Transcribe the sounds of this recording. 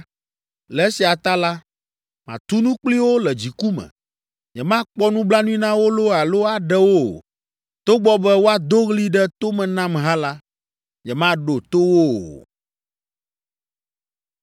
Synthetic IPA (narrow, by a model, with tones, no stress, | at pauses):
lɛ˨e˦si˨a˨t̪a˦la˦ | mã˨t̪u˦nũ˦k͡pli˦wo˦lɛ˨d͡ʑi˨ku˦mɛ̰̃˨ | ɲɛ˨mã˦k͡pɔ˦nũ˦bla˦nũ˦ĩ˦nã˦wo˦lo˦a˨lo˦a˨ɖɛ˦wo̰˦˨ | t̪o˦ɡ͡bɔ˦bɛ˦wo˦a˨d̪o˦ɣli˦ɖɛ˦t̪o˦mɛ̃˨nã˦mɦã˦la˦ | ɲɛ˨mã˦ɖo˨t̪o˦wo˦˨